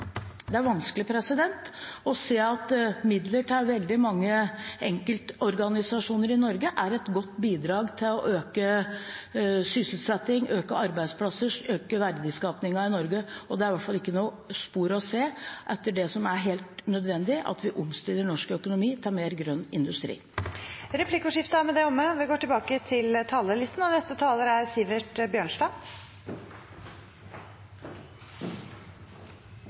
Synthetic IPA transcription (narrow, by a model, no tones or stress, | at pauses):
d̪ɛæɾʋɑnsklɪpʰɾɛsɪd̪ɛnt̪ɔseːɑt̪mɪd̪ləʈʰɑɾʋɛld̪ɪmɑŋːəɛŋkəlt̪ɔɾɡɑnɪsɑʂuːnəɾɪnɔɾɡəʔæɾɛt̪ɡɔt̪ːbiːd̪ɾɑːɡt̪ʰɪlɔʔøːkə | sʏsl̩t̪sɛt̪ːɪŋøːkəɑɾbæɪd̪spʰlɑsəʂøːkəʋæɾd̪əskɑːpnɪŋɑɪnɔɾɡəɔd̪ɛæɾʋæʈfɑlɪkːənuː | spuːɾəɔseːʔɛt̪ːəɖɛsɔmæɾɦeːlt̪nœd̪ʋɛnd̪ɪʔɑ̰t̪ʋɪʔʊmst̪ɪlːəɳɔʂkœkʊnʊmiːt̪ʰɑːɾmeːɾɡɾœnːɪnd̪ʉst̪ɾḭː | ɾɛpʰlɪkʊʂɪft̪əæmɛd̪ɛɔmːəʋɪɡoːʈɪlbɑːkət̪ʰɪlt̪ʰɑːləlɪst̪n̩ɑʋnɛst̪ət̪ʰɑːləɾæɾsiːʋəʈbjøːɳʂʈɑː